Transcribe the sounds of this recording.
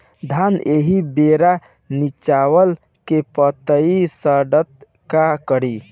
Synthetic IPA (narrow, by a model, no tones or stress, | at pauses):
d̪ʱaneɦibeɾa | nit͡ʃawəl | kepət̪əisəɖət̪̚ | kakəɾi